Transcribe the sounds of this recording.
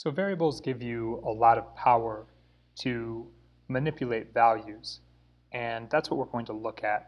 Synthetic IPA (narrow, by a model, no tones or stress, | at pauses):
soʊvɛɹiɨbl̩ˠzɡɪvjɨəlɔɾʌv̥pʰaʊə˞ | ɾʰɨ | mɨnɪpʰjɨleɪtvælˠjʉz̥ | ʔɨ̃nðætswʌʔ̚wɪɹɡoʊɪɪ̃ŋtʰəlʊkʰɨt̚